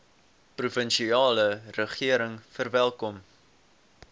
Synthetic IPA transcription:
prufənʃiɑːlərəχiəɾəŋfərvælˠkɔm

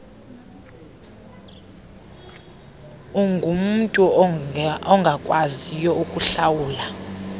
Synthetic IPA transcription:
uŋɡʱum̩ntʼu | ɔŋɡʱakʼwazijɔukʼuɬawuːla

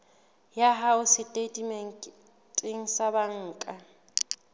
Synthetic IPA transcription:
jaɦaʊsɪtʼedʼimɛŋ̩ʼ | tʼɪŋ̩sabaŋ̩ːkʼa

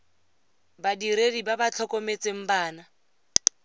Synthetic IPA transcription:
badiɾedibabat͡ɬʰɔkʼɔmet͡sʼeŋ̩baːna

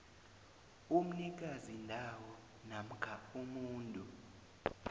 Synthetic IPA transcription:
um̩nik̬azindʱawɔ | nam̩ɡ̥ʱaumuːntʼu

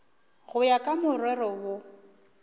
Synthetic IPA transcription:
ɣʊjakʼamʊrwɛrɔwʊ

